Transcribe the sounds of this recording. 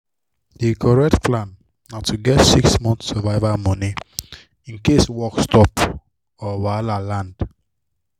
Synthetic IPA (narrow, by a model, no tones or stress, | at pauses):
dikʰɔɹɛk̚tplãnː | atʰuɡɛtsiksmɔ̃nθsəvaɪvamɔni | ĩnkeswɔkstɔp | ɔwalalãnd